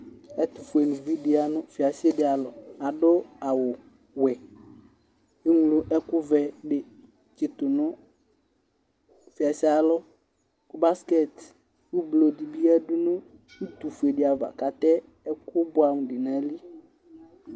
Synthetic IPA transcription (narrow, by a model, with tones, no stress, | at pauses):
ɛ˦t̪u˨fu˨e˨nʊ̃˨vi˦ɖɪ˦a˦nʊ̃˦fi˨a˨se˦dɪ˨a˨lɔ˨a˨ɖʊ˦a˨wʊ˨ | wɛ˨ | e˦ŋu˨˦lʊ˦ʔɛ˦kʊ˦vɛ˨ɖɪ˨ | t͡ʃɪ˨t̪ʊ˨nʊ̃˦ | fi˨a˨si˦a˨lɔ˦ | kʊ˦ba˦skɛ˦˨t̪ | kʊ˦blo˨di˨bi˦a˦dʊ˦nʊ̃˦ | i˦t̪u˨fu˨e˨ɖɪ˨a˨va̰˨ka˨t̪ɛ˦ | ɛ˦kʊ˦bʊ˦a˨m˨ɖɪ˨nã˦li˦